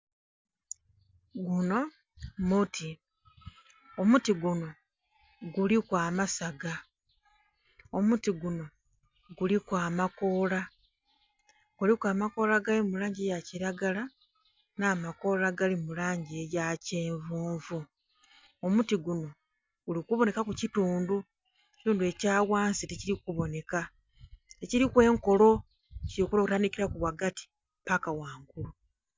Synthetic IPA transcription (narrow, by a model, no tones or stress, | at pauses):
ɡuno̞ | muti | omutiɡuno̞ | ɡulikwaːmasaɡa | o̞mutiɡuno̞ | ɡulikwaːmako̞ːla | ɡ̥ulikwaːmako̞ːlaɡalimulaːɲɟejaciɾaɡala | naːmako̞laɡalimulaːɲɟie̞jace̞ːɱvuːɱvu | omutiɡuno̞ | ɡulikuβo̞ne̞kakucituːndu | eci̥tuːndue̞caːwaːnsiteciɾikuβo̞ne̞ka | teciɾikwe̞ːŋko̞lo̞ | ciokuloutaːnikiɾakuβwaɡati̥ | pakawaːŋɡulu